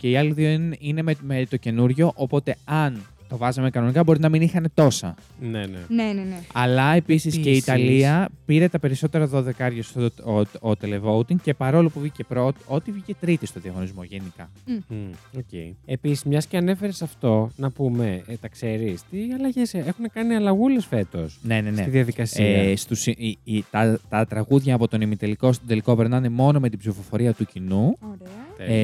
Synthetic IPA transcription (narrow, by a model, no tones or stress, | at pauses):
ce̞iɐliðionine̞memet̪o̞ce̞nuɾʝo̞ʔopo̞t̪e̞ɐn | t̪o̞vɐzɐme̞kɐno̞nikɐbo̞ɾinɐminixɐne̞t̪o̞sɐ̰ | nenḛneneneɐlɐe̞pisisceit̪ɐliɐpiɾe̞t̪ɐpe̞ɾiso̞t̪e̞ɾɐðo̞ðe̞kɐɾʝɐsooot̪ele̞vout̪iŋce̞pɐɾo̞lopuvʝice̞pɾo̞t̪o̞t̪ivʝice̞t̪ɾit̪ist̪o̞ðiɐɣo̞nizmo̞ʝe̞nikɐ | ocḛiepisizmɲɐsceɐne̞fe̞ɾesɐft̪o̞nɐpume̞t̪ɐkse̞ɾist̪iɐlɐʝe̞sexune̞kɐniɐlɐɣule̞sfe̞t̪o̞sne̞neneiðiɐðikɐsiɐst̪usit̪ɐt̪ɐt̪ɾɐɣuðʝɐːpo̞t̪o̞nimit̪eliko̞st̪od̪eliko̞peɾnɐne̞mo̞no̞met̪ibzifo̞fo̞ɾiɐt̪ucinuo